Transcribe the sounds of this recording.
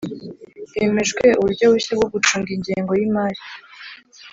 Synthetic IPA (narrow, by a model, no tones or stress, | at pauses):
jeme̞ʒwe̞ʔuβuɾɟo̞wuɕabɡoɡut͡ʃuːŋɡiɲɟeːŋɡo̞jimaːɾi